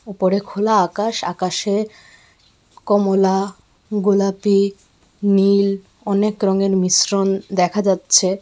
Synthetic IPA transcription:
upoɾekʰolaakaʃa̰kaʃe | kɔmola | ɡolapi | nil | ɔnekɾɔŋeɾmisɾond̪ɛkʰad͡ʑatːɕʰe

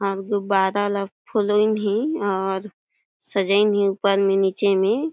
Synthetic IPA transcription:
ɔːɾɡʊbaːɾaləpʰoloinɦĩɔːɾ | səd͡ʒəɪnɦĩupəɾmẽniːt͡ʃemẽ

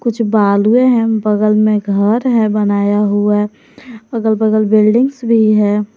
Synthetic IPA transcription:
kʊt͡ʃʰbaːlɦueɦɛ̃bəɡəlmẽɡʱəɾɦɛ̃bənaːjaɦua | ɐɡəlbəɡəlbɪlɖɪ̃ŋɡsbʱiɦɛː

